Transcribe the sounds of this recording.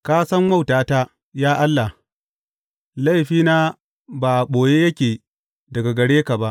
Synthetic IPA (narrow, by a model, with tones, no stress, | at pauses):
kaː˦sɐ˦mma˦˨wtaː˨ta˦ | jaː˦ʔa˦lːa˨ | la˦jɸiː˦naː˦ | ba˨ɓoː˨jeː˦jɐ˦kʲeː˨ | dɐ˨ɡa˨ɡɐ˨ɽeː˦ka˨ba˦ʔ